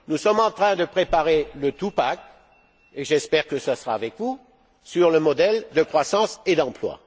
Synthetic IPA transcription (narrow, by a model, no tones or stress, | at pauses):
nusɔmɑ̃t̪χɛ̃d̪əpχepaʁelət̪upak | eʒɛspɛʁkəsasəʁaːvɛkvu | syʁləmɔd̪ɛld̪əkχwasɑ̃sed̪ɑ̃plwa̰